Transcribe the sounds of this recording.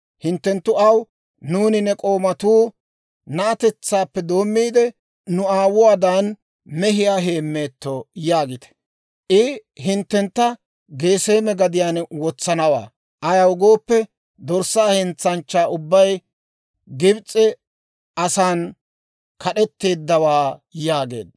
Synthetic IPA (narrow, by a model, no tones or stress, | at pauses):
hɪnt̪ːɛnt̪ːʊɐw | nuːnɪnːɛkʼo̞ːmɐt̪uː | nɐʔːt̪ɛt͡sːaːpːɛd̪o̞ːmːiːd̪ɛ | nʊaːwʊwaːd̪aːn | mɛɦɪjaːɦe̞ːmːe̞ːt̪ːojaːɡɪt̪ɛ̥ | ʔɪhɪnt̪ːɛnt̪ːɐ | ɡe̞ːse̞ːmɛɡɐd̪ɪjaːnwɔt͡sːɐnɐwa̰ː | ʔɐjɐwʊɡo̞ːpːɛ | d̪ɔɾsaːhɪnt͡sːɐnt͡ʃːaːʊbːɐj | ɡɪbt͡sʼːɛ | ɐsaːn | kʰɐɗɛt̪ːe̞ːd̪ːɐwaːjaːɡe̞̰ːd̪̚